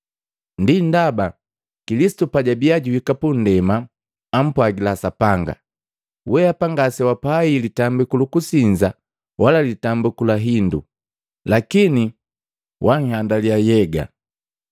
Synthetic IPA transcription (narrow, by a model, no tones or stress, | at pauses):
ndindaba | kilisi̥tupaɟabiaɟuwikapun̩dɛmaː | m̩pwaɡilasapaŋɡa̰ | wɛapaŋɡasɛwapailitambukulukusiɲd͡ʒa | walalitambukulaɦindṵ | lakini | wʔaŋ̩handaljajɛɡa̰